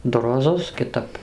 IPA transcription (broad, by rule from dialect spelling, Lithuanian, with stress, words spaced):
ˈdʊ roːˈzʊs kʲɪˈtɐp